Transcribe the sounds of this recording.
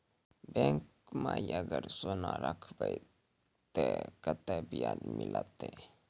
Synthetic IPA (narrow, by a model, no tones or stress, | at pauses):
beŋk | majaɡəɾsonaɾakʰbaj | t̪ekət̪abijanmilʔat̪e